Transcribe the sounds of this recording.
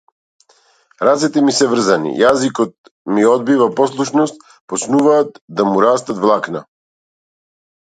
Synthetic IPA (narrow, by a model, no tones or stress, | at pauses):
ɾat̪sɛt̪ɛmisɛvr̩zanḭjazikɔt̪̚ | miɔd̪̚bivapɔslˠuʃnɔst̪ | pɔt͡ʃnuvaːt̪̚d̪amuɾast̪at̪vlˠakna̰